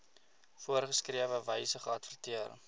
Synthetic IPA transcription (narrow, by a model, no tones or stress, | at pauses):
fuərχəskriəvəvəjsəχəɐtfərtiər